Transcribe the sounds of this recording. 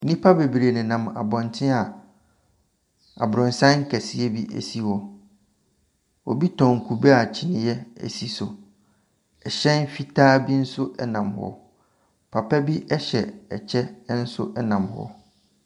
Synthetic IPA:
nĩ˦pʰa˦be˨bɾe˨nɪ̃˨nã˨ma̰˨bɔ̃˨ntʰɪ̃˦a˨ | a̰˨bɾʊ̃˨n˨sã˦ŋ̩˦kʰɛ˨si˦e˦bi˦ʔæ̰˨si˦hɔ˨ | ɔ̰˨bi˦tʰɔ̃˨ŋ̩˨kʰu˨bɛ˦a˨t͡ɕʰi˨nɪ̃˨jɛ˦ɛ̰˨si˨sʊ˨ | ɛ˨ɕɛ̃˦n˦fi˦tʰaː˦bi˦n̩˦sʊ˦ʔɛ˦nã˨mhɔ̰˨ | pʰa˨pʰɛ˦bi˦ʔɛ˦ɕɛ˨ɛ˨t͡ɕʰɛ˦n̩˦sʊ̰˦ʔɛ˦nã˨mhɔ̰˦

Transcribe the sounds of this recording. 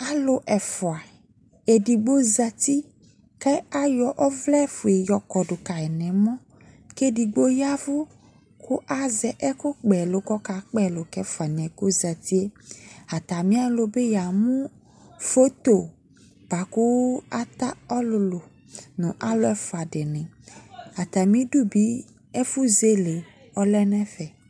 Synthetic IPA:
a˦lo˦ʔɛ˨fo˨a˨ | e˨ɖi˨ɡ͡bo˦za˨t̪i˦ | kɛ˦a˦jɔ˨ʔɔ˦vlɛ˦fo˨e˨jɔ˨kɔ˨ɖo˨ka˨ɛ˨nɛ̃˨mɔ̃˦ | ke˦di˨ɡ͡bo˦ja˦vo˦ | ku˦ʔa˦zɛ˨ʔɛ˦ku˦k͡pɛ˨lo˨kɔ˦ka˨k͡pɛ˦˨lo˨kɛ˦fa˨nɛ̃˨ɡo˦za˨t̪i˦e˦a˨t̪a˨mĩ˦a˦lo˨˦be˦ja˨mũ˦ | fo˦t̪o˨ | b̥a˨ku˦a˦t̪a˦ɔ˦lʊ˨lo˨ | nũ˨ʔa˦lo˦ɛ˦fa˨ɖe˨nɛ̃˨a˨t̪a˨mĩ˦ɖu˦bi˨˦ | ɛ˦fu˦ze˦le˨ | ɔ˦lɛ˦nɛ̃˦fɛ˨

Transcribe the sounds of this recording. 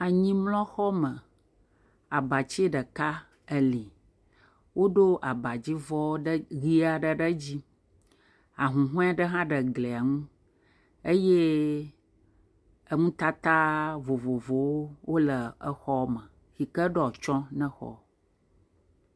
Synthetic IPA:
a˨ɲĩ˦mlɔ̃˦xɔ˦mə̃˨ | a˨ba˨t͡ɕi˦ɖə˨ka˦ | ə˨li˨ | wʔo˦ɖo˦ʔa˨ba˨d͡ʑi˦vɔ˦ɖɣi˦a˨ɖə˨ɖə˦d͡ʑi˦ | a˨ɦũ˨ɦũ˦a˨ɖə˦ɦã˦ɖə˨ɡle˨a˨ŋũ˦ | e˦je˦ | ə˦ŋũ˦t̪a˦t̪a˦vo˨vo˨vo˨wo˦wo˦lə˨ə˦xɔ˦mə̃˨ | fi˨kə˦ɖɛ˦ɔ˨t͡ʃɔ̃˦nɛ̃˦xɔ̰˦

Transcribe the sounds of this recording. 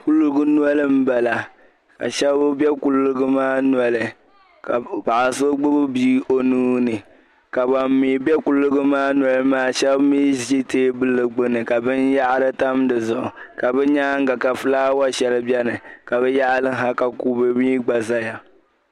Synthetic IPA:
ku˦lɨ˦ɡɨ˦nu˦a˦lɨ˦m̩˦ba˨la˨ | ka̰˨ʃɛ˦bʊ˦bɛ˦ku˦lːɨ˦ɡɨ˦maː˦nwa˨lɨ˨ | ka˨pa˨ʔa˨so˦ɡ͡bʊ˦bɨ˦biː˦o˦nuː˦nɨ˨ | ka˨ba˨m˦mi˨bɛ˦ku˦lɨ˦ɡɨ˦maː˦n˨ɔ˨˦lɨ˦maː˦ʃɛ˦bmiː˦zi˦i˦teː˦bɨ˦lɨ˨ɡ͡bɨ˦nɨ˨ka˨bɨ˦nja˦ʔɾɨ˦ta˦mdɨ˨zʊ˨ʔʊ˨ | ka˨bɛ˦ɲaː˦ŋ̩˦ɡa˨ka˨fɨ˦laː˦wa˦ʃɛ˨lɨ˦bɛ˦nɨ˨ka˨βɛ˦ja˦ʔlɨ˦ɦa˦ka˨ku˨bɨ˨miː˦ɡ͡ba˨za˦ja˨

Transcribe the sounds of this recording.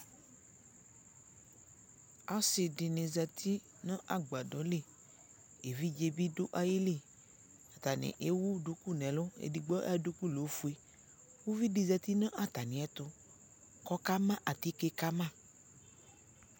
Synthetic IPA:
a˦sɪ˨ɖɪ˨nẽ˨zɛ˨t̪ʰi˦ | nã˦ʔa˨ɡ͡ba˨ɖɔ˨˦le˦˨ | e˨vi˦d͡ʒe˨bi˦ɖo˦ʔa˦ji˦le˦˨ | a˨t̪a˨nḛ̃˨ʔe˦wu˦ɖo˦ku˦nɛ̃˨lo˦ḛ˨di˨ɡ͡bɔ˦ʔa˦ɖo˦ku˦lo˨˦fu˨˦e˨ | wo˦vi˦ɖi˨zɛ˨t̪i˦nã˦ʔa˦t̪a˨nĩ˨˦ɛ˦t̪ʊ˦ | kɔ˦ka˦mã˦ʔa˨t̪i˦ke˦ka˦mã˦˨

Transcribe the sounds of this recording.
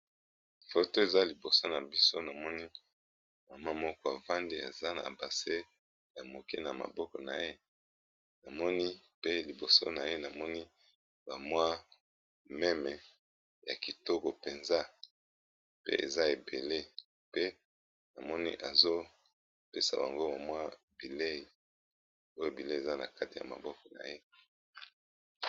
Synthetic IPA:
fo˨to˦e˨za˦li˨bo˨so˦na˨bi˦so˦na˨mɔ˦ni˦ | ma˨ma˦mɔ˦kɔ˦a˨va˦ndi˦a̰˨za˦na̰˨ba˨se˦ | ja˨mo˨ke˦na˨ma̰˨bɔ˦kɔ˨na̰˨je˦ | na˨mɔ˦ni˦pe˦li˨bo˨so̰˦na˨je˦na˨mɔ˦ni˦ | ba˨mwa˦ | mɛ˦mɛ˨ | ja̰˨ki˨to˦ko˨pe˨nza˦ | pḛ˦ḛ˨za˦e˨be˨le˦ | pe˦ | na˨mɔ˦nḭ˦ʔa˨zo˦ | pe˦sa̰˨ba̰˨ŋɡo˦ba˨mwa˦ | bi˨le˦˨ | o˦jo˦˨bi˨le˦˨e˨za˦na̰˨ka˦ti˨ja̰˨ma̰˨bɔ˦kɔ˨na̰˨je˦

